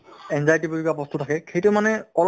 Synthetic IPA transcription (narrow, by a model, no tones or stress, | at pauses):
ɛnzajtibuɹikapɔst̪utʰakɛxejtʊmanɛɔl